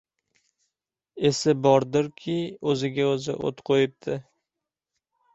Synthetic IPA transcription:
e̞sɪbɒɾd̪ɪɾkʲʰɪɵzɪɡʲaɵzɪ̰ʔo̰t̪qʰojɪp̚t̪ʰɪ

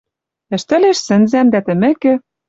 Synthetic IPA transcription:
ɘ̆ʃt̪ɘ̆leʃsɘ̆nzæmnd̪æt̪ɘ̆mɘ̆kɘ̆

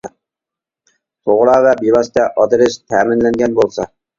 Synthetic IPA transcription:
t̪ʰoʁɾɑːvɛbilˠɑst̪ɛʔɑd̪ɾɪʃt̪ʰæːmɪnlɛŋɡʲɛnbolˠsɑ

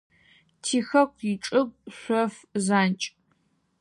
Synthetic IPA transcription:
tʰiːxɐkʷʰiʈ͡ʂʼɨɡʷʼɕʷɔfzaːnt͡ʃʼ

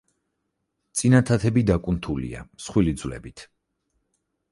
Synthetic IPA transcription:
t̪sʼinat̪ʰat̪ʰɛbid̪akʼunt̪ʰulḭa̰msχwilid̪zvlɛ̰bit̪ʰ

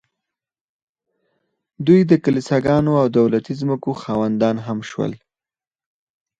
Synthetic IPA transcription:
d̪ujd̪əkalisaɡɑnoawd̪awlat̪izməkoxɑwand̪ɑnɦamʃwə̰l

